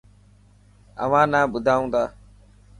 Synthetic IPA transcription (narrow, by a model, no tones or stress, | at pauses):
ə̰ʋãːnaːbʊd̪ʱaːũːnd̪aː